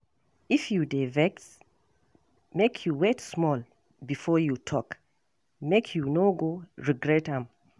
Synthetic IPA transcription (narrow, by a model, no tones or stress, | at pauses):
ifjudevɛks | mekʰjuwɛtsmɔl | bifɔjutʰɔk | mekʰjunoɡoɹiɡɹɛtãm